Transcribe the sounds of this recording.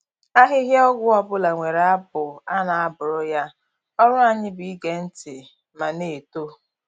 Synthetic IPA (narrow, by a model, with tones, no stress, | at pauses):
a˦ɦɪ˦ɦja˦ɔ˦ɡʷʊ˦ɔ˦bʊ˦la˨ŋʷe˨ɾa˦bʊ˨a˦na˨a˦bʊ˨ɾʊ˦ja˦ | ɔ˦ɾʊ˦a˨ɲɪ˦bi˨i˦ɡe˨n̩˦tɪ˨ | ma˨ne˨to˦